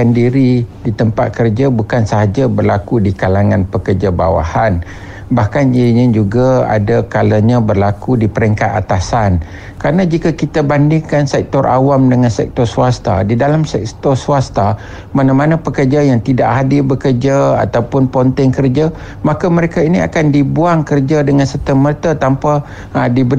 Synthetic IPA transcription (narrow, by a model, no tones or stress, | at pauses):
andiɾidit̪əmpa̰t̪̚kərd͡ʒabukansaɦad͡ʒabərlakudikalaŋãnpəkərd͡ʒaba̰wa̰han | bahkaninɪd͡ʒuɡaa̰dakalaɲãbərlakudipəɾɛŋkat̪at̪asan | kɾanad͡ʒikakit̪abandɪŋkansɛk̚t̪ɔɾʔawamdəŋansɛk̚t̪ɔrsuast̪a̰didalamsɛkt̪ɔrsuast̪a | manamanapəkərd͡ʒajaŋt̪idaʔɦadɪbəkərd͡ʒaa̰t̪awpʊnpɔnt̪ɪŋkərd͡ʒa | makaməɾekainia̰kandibuaŋkərd͡ʒadəŋansət̪əmərt̪at̪ampa | dibə